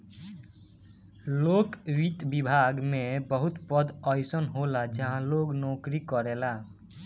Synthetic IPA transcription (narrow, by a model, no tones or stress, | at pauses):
lokɾit̪bibʱaɡmebəɦut̪pəd̪əjsənɦolad͡ʒəɦãloɡnɔkɾikɔɾela